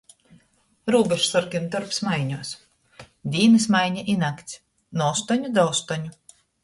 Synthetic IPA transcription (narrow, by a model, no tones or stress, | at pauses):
ɾuːbʲɛʃsɔɾkʲint̪ɔɾpsmajɲuɔs | d̪ʲiːnɨsmajɲaʔinakt̪sʲ | nɔɔst̪ɔɲud̪awst̪ɔɲu